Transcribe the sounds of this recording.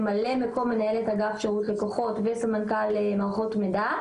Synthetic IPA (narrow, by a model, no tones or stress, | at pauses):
malemeko̞lmenajelethaɡafʃeʁutlekoχo̞tvesamankalemaʁχo̞tmeda